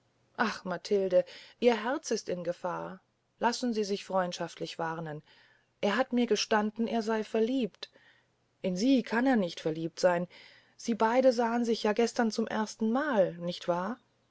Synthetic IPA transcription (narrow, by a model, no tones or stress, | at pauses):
ʔaχmatʰɪldəʔiːɐɦɛɐt͡sɪstɪnɡəfaːɐ | lasn̩ziːzɪçfʁ̥ɔʏntʃaftlɪçv̥aʁnən | ʔeːɐɦatmiːɐɡəʃtandn̩eːɐzaɪfɛɐliːpt | ʔɪnziːkʰaneːɐnɪçtfɛɐliːp̚tz̥aɪn | z̥iːbaɪɾəzaːənzɪçjaːɡɛstɐnt͡sʊmʔḛːɐstn̩maːlnɪçtv̥aːɐ